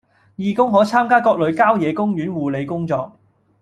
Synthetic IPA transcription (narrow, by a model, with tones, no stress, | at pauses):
jiː˨˧kʊ˥ŋɦɔː˨˥t͡sʰaː˥mkaː˥kɔː˧k̚lɵ˨˧ɥkaː˥wjɛː˨˧kʊ˥ŋjyː˨˥nwuː˨le˨˧jkʊ˥ŋt͡sɔː˧k̚